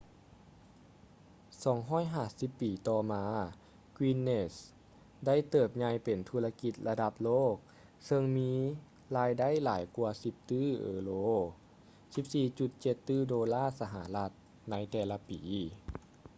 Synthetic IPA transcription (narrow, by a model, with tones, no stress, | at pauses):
sɔː˨˩˦ŋɦɔː˥˨jɦaː˧˩si˧˦pːiː˨˩t̪ɔː˧maː˧ | kwi˧nːe˧˩s | da˥˩jt̪ɤː˧˩p̚ɲa˧jpe˨˩nt̪ʰu˧la˧ki˧t̪̚la˧da˧p̚loː˥˩k̚ | sɤ˧ŋmiː˧˥ | laː˧˥jda˥˨jlaː˨˩˦jku˧ɐsi˧˦p̚t̪ɯː˥˩ʔɤ̰ː˨˧˦loː˧˥ | si˧˦p̚siː˧˩t͡ɕu˧t̪̚t͡ɕe˧˦t̪ːɯː˥˩doː˧laː˥˩sa˧ɦa̰˧˩˦la˧˥t̪̚ | na˧˥jt̪ɛː˧˩la˧piː˨˩˦